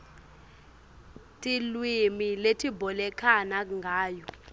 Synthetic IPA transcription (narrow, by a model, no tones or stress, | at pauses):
tʼilwimiletʰibɔlɛkʰanaŋɡʱaːjɔ